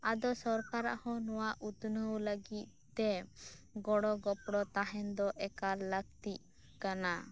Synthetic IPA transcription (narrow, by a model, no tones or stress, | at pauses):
ad̪ɔsɔɾkaɾa̰ʔhɔ̃nɔwaʔut̪nəwləɡit̪̚t̪ːɛɡɔɽɔɡɔpɽɔt̪aɦɛnd̪ɔʔɛkaɾlək̚t̪iʔ̚ | kana